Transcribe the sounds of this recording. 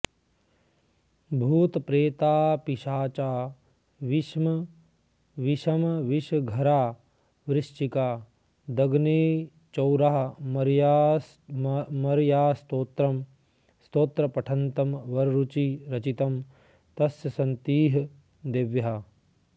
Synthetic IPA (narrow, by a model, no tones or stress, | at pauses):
bʱuːt̪pɾeːt̪aːpiʃaːt͡ʃaː | ʋiʃmɐ | ʋiʃɐmʋiʃɡʱɐɾaː | ʋɾɪʃt͡ʃikaː | d̪ɐɡneː | t͡ʃɐwɾaɦɐ̆mɐɾja | mɐɾjaːst̪oːt̪ɾɐm | st̪oːt̪ɾɐpɐʈʰɐnt̪ɐmʋɐɾɾut͡ʃiɾɐt͡ʃit̪ɐm | t̪ɐsjɐsɐnt̪iːɦɐ | d̪eʋjɐɦɐ